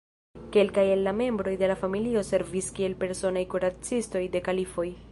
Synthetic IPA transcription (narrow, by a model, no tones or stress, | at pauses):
ke̞lkajelːame̞mbɾo̞jde̞lafamilio̞se̞ɾviskie̞lpe̞ɾso̞najkuɾat͡sisto̞jde̞kalifo̞j